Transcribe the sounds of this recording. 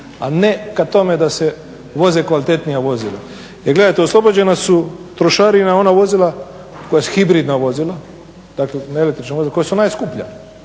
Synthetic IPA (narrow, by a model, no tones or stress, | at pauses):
anekat̪o̞med̪ase | ʋo̞ze̞kʋalit̪e̞t̪nijaʋo̞zila̰ | jeɾɡle̞d̪ajt̪eo̞slˠo̞bod͡ʑe̞nasut̪ɾoʃaɾinao̞naʋo̞zilˠa | ko̞jasuxibɾiːd̪naʋo̞zila | d̪aklenelekt̪ɾit͡ʃnaozilako̞jasunaːjskupʎa̰